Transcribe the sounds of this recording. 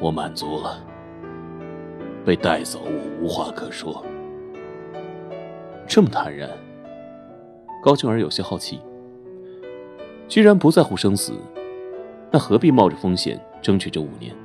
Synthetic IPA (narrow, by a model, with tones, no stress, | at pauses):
wɔ˧˥ma̰˨˩nt͡su˧˥lə˨ | pe˥˧ɪt̪a˥˩ɪt͡so˨˩ʊwɔ˨˩u˧˥xwa˥kʰɤ˥˩ʂwɔ˥ | ʈ͡ʂɤ˥˩mə˩t̪ʰa˧˥nɻa̰˧˩n | kɑ˥ʊt͡ɕʰi˥ŋə˞˧˥jo˨˩ʊɕjɛ˥xɑ˥˧ʊt͡ɕʰḭ˥˩ | t͡ɕi˥ɻa˧˥npu˧˥t͡sa˥˧ɪxu˧˥˩ʂɤ˥ŋsɹ̩̰˨˩ | na˥˩xɤ˧˥pi˥˧mɑ˥˩ʊʈ͡ʂə˨˩fɤ˥ŋɕjɛ̰˨˩˦n | ʈ͡ʂɤ˥ŋt͡ɕʰy˨˩ʈ͡ʂɤ˥˩ṵ˨˩njɛ̰˧˥˦n